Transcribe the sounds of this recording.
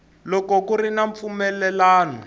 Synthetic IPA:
lɔkɔkuɾinaɱp̪fumɛlɛlaːnɔ

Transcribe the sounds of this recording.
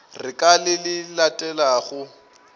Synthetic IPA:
rɪkʼalɪlɪlatʼɛlaɣʊ

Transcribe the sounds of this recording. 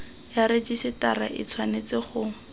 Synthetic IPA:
jaɾed͡ʒisɪtaraʔɪ̰t͡sʰwanet͡sɪχʊ

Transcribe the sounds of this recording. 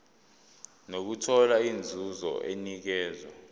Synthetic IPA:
nok̬utʰɔlaind͡zʱuzɔ̰ʔenik̬ɛːzwɔ

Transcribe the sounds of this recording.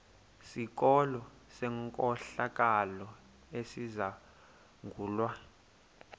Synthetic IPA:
sik̬ʼɔlɔ | sɛŋkʼɔɬak̬ʼalɔ | esiza | ŋɡʱuːlwa

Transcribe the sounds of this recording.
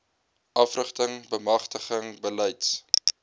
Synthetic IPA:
ʔɐfrəχtəŋbəmɐχtəχəŋbəlɛjts

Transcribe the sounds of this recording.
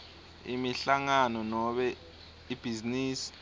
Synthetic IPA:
ḭmiɬaŋanɔnɔɓɛ | ib̥ʱiziniːsi̥

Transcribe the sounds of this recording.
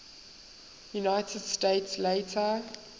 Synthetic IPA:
junaɪtʰəd̥steɪtsleɪtʰə

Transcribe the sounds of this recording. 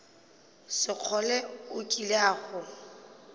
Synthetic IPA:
sɪq͡χʰɔlɛʊkʼileaːɣʊ

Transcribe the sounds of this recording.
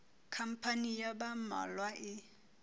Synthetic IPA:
kʰam̩pʰanijabama̰lwaʔɪ

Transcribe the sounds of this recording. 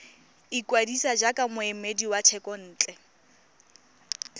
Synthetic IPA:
ikwadisad͡ʒakʼamʊɛmediwat͡ʃʰɛkʼɔn̩ːt͡ɬʼɛ

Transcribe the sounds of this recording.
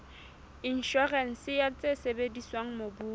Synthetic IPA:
in̩ʃɔrɛn̩sɪjat͡sʼesebediswaŋ̩mobuː

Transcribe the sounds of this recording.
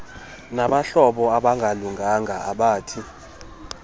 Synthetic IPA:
naɓaɬɔɓɔaɓaŋɡʱaluŋɡʱaŋʱaʔa̰ɓaːtʰi

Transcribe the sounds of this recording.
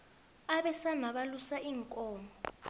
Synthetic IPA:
aɓɛsanaɓalusaiŋkʼɔːmɔ

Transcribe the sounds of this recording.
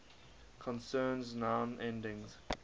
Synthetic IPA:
kʰə̃nsɜːnznãʊ̃nɛ̃ndɪ̃ŋz̥

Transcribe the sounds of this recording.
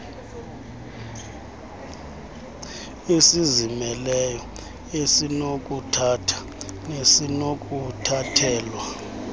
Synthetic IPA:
esizimɛlɛjɔ | esinokʼutʰatʰḁnesinokʼutʰatʰɛːlwa

